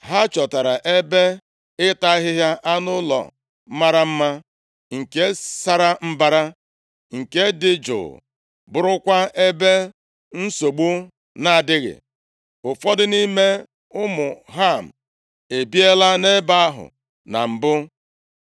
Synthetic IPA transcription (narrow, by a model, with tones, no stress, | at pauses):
ɦa˦t͡ʃɔ˨ta˨ɾa˨ʔe˦be˦ | ɪ˦ta˦ɦɪ˦ɦja˦ʔa˦nʊ˦lɔ̰˨˦ | ma˦ɾa˦m̩˦ma˦ | ŋ̩˨ke˦sa˦ɾa˦m̩˦ba˦ɾa˦ | ŋ̩˨ke˦dɪ˦d͡ʒʊ̰˨ | bʊ˨ɾʊ˦kʷa˦e˦be˦ | n̩˦so˨ɡ͡bu˦ | na˦˨a˨dɪ˦ɣɪ̰˨ | ʊ˨fɔ˦dɪ˦ni˦me˦ | ʊ˦mʊ˨ɦa˦˨m̩˨ | e˨bi˦e˦la˦ne˦ba˦a˦ɦʊ̰˨ | na̰˨m̩˨bʊ˦